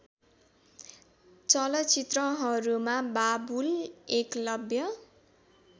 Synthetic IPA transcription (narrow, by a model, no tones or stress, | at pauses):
t͡sʌlʌt͡sit̪rʌɦʌɾumababuleklʌbjʌ